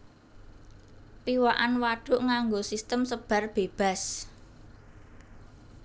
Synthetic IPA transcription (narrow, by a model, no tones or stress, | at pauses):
piwaʔanwaɖ̥ʊ̤ʔŋaŋɡosist̪əmsəb̥a̤rb̥e̤b̥a̤s